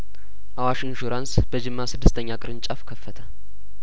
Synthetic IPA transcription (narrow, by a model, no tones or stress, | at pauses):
ʔawaʃɨnʒoɾansbəd͡ʒɪmːasɨd̪ːɨst̪ʰəɲːakʼɨɾɨnt͡ʃʼafkʰəfːət̪ʰə